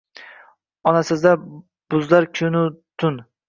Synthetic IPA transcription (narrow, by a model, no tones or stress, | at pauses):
ɒnasɪzd̪a | b̥ʊzlaɾkʲʰʊnʊt̪ʰʊn